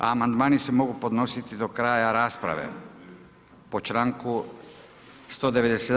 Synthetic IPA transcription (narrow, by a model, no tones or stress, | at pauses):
a̰mand̪maːnise̞mo̞ɡupo̞d̪no̞sit̪id̪o̞kɾaːjaɾaːspɾa̰ʋe̞̰ | po̞t͡ʃɾaːŋku | st̪o̞ːd̪eʋe̞d̪ese